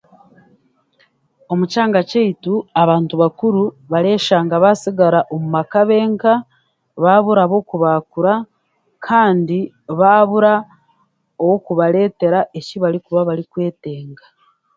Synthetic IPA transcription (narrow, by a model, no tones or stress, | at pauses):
o̞mucaːŋɡaceituaβaːntuβakuɾu | βaɾeːʃaːŋɡaβasiɡaɾaʔomumakaβe̞ːŋka | βaːβuɾaβo̞kuβaːkuɾa | kʰaːndi | βaːβuɾa | owokuβaɾe̞ːte̞ɾaʔe̞ciβaɾikuβaβaɾikwe̞ːte̞ːŋɡa